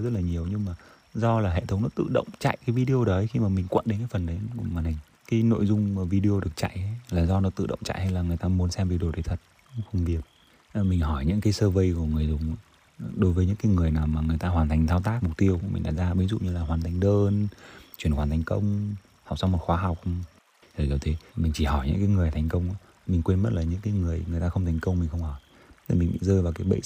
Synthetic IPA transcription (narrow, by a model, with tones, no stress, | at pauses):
zə˦˥t̚laː˨˩ɲi˨˩əwɲɨ˧ŋmaː˨˩ | zɔ˧laː˨˩ɦḛ˧˨t̪ʰə˨˦wŋ͡mnɔ˨˦t̪ɨ̰˧˨ɗə̰˧˨wŋ͡mt͡ɕa̰˧˨jkaː˨˦jvi˧ɗi˧o˧ɗə˨˦jxi˧maː˨˩mï˨˩ŋ̟kwə̰˧˨nɗe˨˦nkaː˨˦jfə˨˩nɗə˨˦j̰maː˨˩na˨˩ŋ̟ | kaː˨˦jno̰˧˨jzʊ˧ŋ͡mvi˧ɗi˧o˧ɗɨ˨˩ək̚t͡ɕa̰˧˨jʔlaː˨˩zɔ˧nɔ˨˦t̪ɨ̰˧˨ɗə̰˧˨wŋ͡mt͡ɕa̰˧˨jha˧jlaː˨˩ŋɨ˨˩əjt̪aː˧mu˨˦ənsɛ˧mvi˨˧˩ɗo˨˩ɗə˨˦jt̪ʰə˨˩t̚xə˧wŋ͡mvi˨˩əp̚ː | mï˨˩ŋ̟ɦɔ˧˩jɲɨ̰˧˥ŋkaː˨˦jsəː˧və˧jku˧˩əŋɨ˨˩əjzʊ˨˩ŋ͡m | ɗo˨˦jvəː˨˦jɲɨ̰˧˥ŋkaː˨˦ŋɨ˨˩əjnaː˨˩wmaː˨˩ŋɨ˨˩əjt̪aː˧ɦwaː˨˩nt̪ʰjŋ̟t̪ʰaː˧wt̪aː˦˥k̚mʊ˨˩k͡p̚t̪i˧əwkmï˨˩ŋ̟ɗa̰ː˨˧˩zaː˧ɓi˨˦zṵ˧˨ɲɨ˧laː˨˩ɦwaː˨˩nt̪ʰa˨˩jŋ̟ɗəː˧nt͡ɕwi˧˩ənxwaː˨nt̪ʰa˨˩ŋ̟kə˧wŋ͡m | ha˨˩k͡p̚sa˧wŋ͡mmo˨˩txwaː˨˦ɦa˨˩wk͡p̚ | zəː˨˧˩zə˨˩t̪ʰe˨˦mï˨˩ŋ̟t͡ɕi˧˩hɔ˧˩jɲɨ̰˧˥ŋkaː˨˦jŋɨ˨˩əjt̪ʰa˨˩jŋ̟kə˧wŋ͡mʔa˨˦ | mï˨˩ŋ̟kwe˧nmə˦˥t̚laː˨˩ɲɨ̰˧˥ŋkaː˨˦jŋɨ˨˩əjŋ˨ət̪aː˧xə˧wŋ͡mt̪ʰa˨˩jŋ̟kə˧wŋ͡mmːi˨˩ŋ̟xə˧wŋ͡mhɔ˧˩jʰ | mï˨˩ŋɓḭ˧˨zəː˧jvaː˨˩wkaː˨˦jɓə̰˧˨